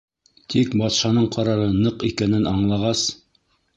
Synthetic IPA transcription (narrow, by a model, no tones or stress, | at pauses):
t̪ʰikbɑt̪ʃɑnɤɴqʰɑɾɑɾɤnɤqikænɘnɑɴlˠɑʁɑs